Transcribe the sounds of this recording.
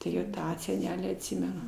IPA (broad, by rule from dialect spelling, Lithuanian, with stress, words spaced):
tʊˈrʲeːjɛʊ ˈtɑː sʲɛˈnʲæːlʲiː ɐtʲˈsʲɪmʲɛnʊ